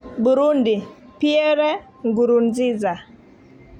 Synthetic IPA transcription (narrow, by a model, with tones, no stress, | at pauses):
bu˨ɾu˦ndi˨pje˦ɾɛ˦ | ŋɡu˨ɾu˨nzɪ˦za˨